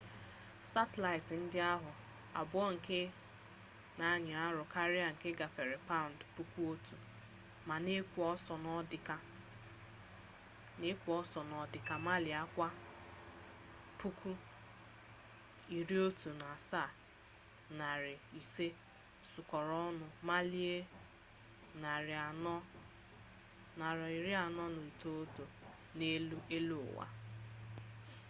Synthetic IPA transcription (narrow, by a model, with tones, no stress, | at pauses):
sa˦te˨la˨ɪ˨tn̩˦dɪ˦a˦ɦʊ˨ | a̰˨bʊ˦ɔ˦ŋ̩˨ke˦ | na˨˦˨ɲɪ˨a˦ɾʊ˨ka˦ɾɪ˦a˨ŋ̩˨ke˦ɡa˨fe˨ɾe˨pa˦ʊ˨n̩˨tpu˦ku˦o˦tu˨ | ma˨ne˦kʷɔ˦sɔ˨nɔ˦dɪ˦ka˦ | ne˦kʷu˨˦ɔ˦sɔ˨nɔ˨dɪ˨ka˨ma˦lɪ˨a˦kʷa˦ | pu˦kʰu˦ | i˨ɾi˦o˦tu˨na˨sa˦˨ | na˨ɾɪ˨i˨se˦ | sʊ˨kɔ˨ɾɔ˦nʊ˨ma˦li˦e˦ | na˨ɾnɔ˦ | na˨ɾi˨ɾi˦a˨nɔ˦no˨i˨to˦o˦tu˨ne˦e˦lu˦ʊ̰˨wa̰˦